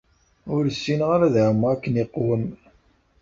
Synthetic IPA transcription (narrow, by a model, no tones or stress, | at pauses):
ʊɾsːinʁaɾæðʕmːʁækːəniqːwəm